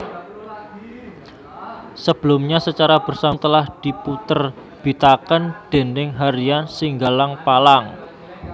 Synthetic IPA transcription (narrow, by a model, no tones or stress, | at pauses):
səb̥əlʊmɲasət͡ʃaɾab̥ə̤rsamt̪əlahd̪̥i̤put̪ər | b̥i̤t̪akəndɖ̥e̤nɪŋɦaɾiansiŋɡalaŋpalaŋ